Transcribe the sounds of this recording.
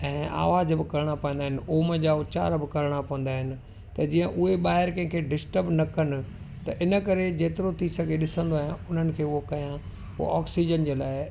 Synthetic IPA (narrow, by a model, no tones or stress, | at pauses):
ɛ̃ːa̰ːʋaːzbɪkɐɾɽ̃apɐə̃nd̪aːɦɪnɪ̆oːməd͡ʑaːʊt͡ɕa̰ːɾbɪkɐɾɽ̃apɐʋə̃n̆d̪aːɦɪnɪ̆ | t̪ɐd͡ʑĩːə̃ʔʊɦeɓaːɦɪɾkɐ̃ɦɪ̃kʰeɖɪsʈəbnɐkɐnɪ̆ | t̪ɐʔɪnə̆kɐɾed͡ʑeːt̪ɪɾot̪ʰisɐɡʱeɗɪsə̃nd̪oaːɦjãʊn̤ənɪ̆kʰeːʊɦokɐjã̰ | ʔɔːksid͡ʑənd͡ʑeːlaːɪ